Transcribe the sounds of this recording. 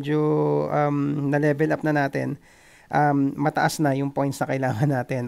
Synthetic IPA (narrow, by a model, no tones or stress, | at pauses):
d͡ʒoʔamnɐlɛːbɛlʔɐp̚nɐnaːt̪ɛ̰n | ʔɐmːɐt̪ɐʔɐsnɐjʊŋpo̞jnsnɐkɐɪlaːŋɐnːaːt̪ɛn